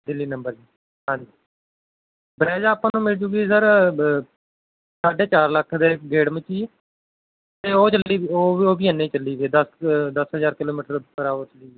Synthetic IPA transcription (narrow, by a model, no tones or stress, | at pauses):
d̪ɪlːiːnəmbəɾd͡ʒiː | ɦãːɲd͡ʒiː | bəɾɛːd͡ʒaːpãːnũːmɪld͡ʒuːɡiːsəɾ | saːɖeːt͡ʃaːɾləkʰːd̪eːkɡeːɽmət͡ʃiː | t̪eːoːt͡ʃəliːioːoːbiːənːẽːt͡ʃəlːiːd̪eːd̪əsd̪əsɦəzaːɾkɪloːmiːʈəɾpəɾaːʋəːt͡ʃəliːɡe